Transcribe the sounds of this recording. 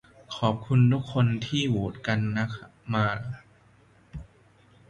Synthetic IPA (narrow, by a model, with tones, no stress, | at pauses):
kʰɔː˨˩p̚kʰu˧nt̪ʰu˦˥kʰːo˧nt̪ʰiː˥˩wuː˨˩t̪̚ka˧nːa˦˥kʰa˦˥maː˧